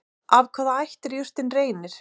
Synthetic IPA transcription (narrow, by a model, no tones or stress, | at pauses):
ʔavkʰvaːðaajht̪ɛɾjʏr̥t̪ɪnreːjnɪɾ̥